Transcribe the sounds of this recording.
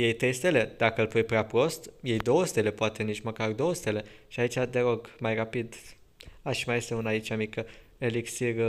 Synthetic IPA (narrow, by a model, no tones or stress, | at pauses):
je̞jt̪e̞st̪e̞le̞d̪̥akəlpujpɾeapɾo̞st̪je̞jd̪o̞wəsut̪e̞le̞poat̪e̞nit͡ʃməkard̪o̞wəst̪e̞le̞ʃiait͡ʃʲad̪e̞ɾo̞ɡmajrapid̪ | aʃimaje̞st̪eunait͡ʃamikə | eliksir